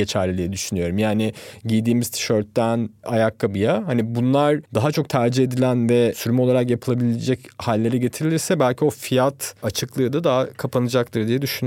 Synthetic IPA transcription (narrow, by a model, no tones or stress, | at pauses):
et͡ʃʰæɾlʲilʲijɛd̪yʃynyjo̞ɾumjaːnɪɟijd̪iːmizt̪ʰi̥ʃøɾt̪ːænajakːabɯjaɦanibunlˠaɾd̪aɦat͡ʃʰo̞k̚t̪ʰæɾd͡ʒie̞d̪ilʲænvɛsyɾmɛolˠaɾakjapʰɯlˠabilʲed͡ʒɛchalʲːe̞ɾɛɟe̞t̪ʰiɾilʲiɾsɛbælʲcʰio̞fijat̪at͡ʃʰɯklˠɯːd̪ad̪aɦakʰapʰanɯd͡ʒak̚t̪ˠɯɾd̪ijɛd̪yʃyny